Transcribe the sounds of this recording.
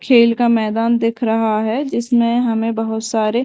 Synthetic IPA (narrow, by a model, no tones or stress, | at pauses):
kʰeːlkamɛːd̪aːnd̪eːkʰɾɐɦaɦɛd͡ʒɪsmẽɦɐmẽbɐɦʊt̪saːɾe